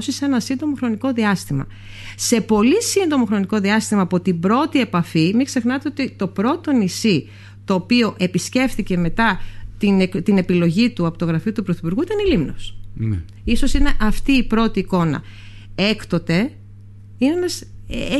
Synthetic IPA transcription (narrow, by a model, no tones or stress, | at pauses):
sisenɐsind̪o̞mo̞xɾo̞niko̞ðiɐst̪imɐ̰ | se̞po̞lisind̪o̞mo̞xɾo̞niko̞ðiɐst̪imɐːpo̞t̪ibɾo̞t̪ie̞pɐfimikse̞xnɐt̪e̞o̞t̪it̪o̞pɾo̞t̪o̞nisi | t̪o̞ːpio̞ʔe̞pisce̞fθice̞me̞t̪ɐt̪inekt̪ine̞pilo̞ʝit̪uɐpot̪o̞ɣɾɐfiut̪upɾoθipuɾɣuit̪ɐnelimnosn | iso̞sine̞ʔɐft̪iːpɾo̞t̪iːko̞nɐ̰ | e̞kt̪o̞t̪e̞ | ineenɐs